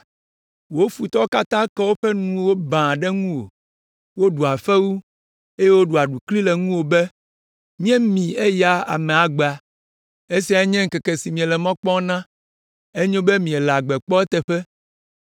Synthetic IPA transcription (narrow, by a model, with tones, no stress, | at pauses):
wo˦fu˨t̪ɔ˦ka˦t̪ã˦kɛ˦wo˦ɸɛ˦nũ˨wo˦bã˨ɖɛ˦ŋũ˦wo̰˨ | wo˦ɖu˨a˨fɛ˦wu˦ | e˦jɛ˦wo˦ɖu˨a˨ɖu˨kli˦lɛ˨ŋũ˦wo˨bɛ˦ | mĩ˦ɛ̃˦mĩ˨e˦ja˦a̰˨mɛ̃˨a˨ɡ͡be˨a˨ | e˦si˨a˨e˦ɲɛ̃˦ŋ̩˨kɛ˨kɛ˨si˨mĩ˨ɛ˨lɛ˨mɔ̃˦k͡pɔ̃˦nã˦ | e˦ɲõ˦bɛ˦mĩ˨ɛ˨la˨ɡ͡bɛ˨k͡pɔ˦ɛ˦t̪ɛ˨ɸɛ˦